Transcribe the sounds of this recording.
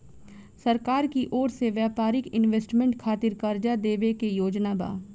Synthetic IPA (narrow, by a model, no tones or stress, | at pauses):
səɾkaːɾkiʔɔːɾseʋjaːpaːɾɪkɪnʋeːsʈmẽɳʈkʰaːt̪ɪɾkəɾd͡ʒad̪eːʋekejoːd͡ʒnaba̰ː